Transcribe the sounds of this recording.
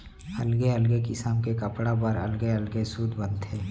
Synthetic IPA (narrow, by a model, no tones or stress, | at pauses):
ɐlɡeəlɡekɪsamkekəpɽapəɾɐ̰lɡeəlɡesuːd̪ʱbə̃nt̪ɦɛː